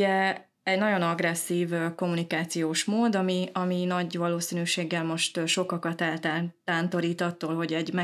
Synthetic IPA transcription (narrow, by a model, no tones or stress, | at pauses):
ɛ | ɛɟnɒɟo̞nɒɡrɾɛsːiːvko̞munikaːt̪sijoːʃmoːd̪ɒmiɒminɒɟʋɒloːsinyːʃeːɡːɛlmo̞ʃt̪ʃo̞kɒkɒt̪ɛlt̪at̪aːnt̪o̞ɾiːt̪ɒt̪ːoːlɦo̞ɟɛɟmɛ